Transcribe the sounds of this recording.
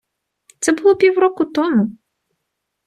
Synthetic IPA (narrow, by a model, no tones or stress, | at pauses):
t̪sɛbʊlˠɔpʲiwɾɔkʊt̪ɔmʊ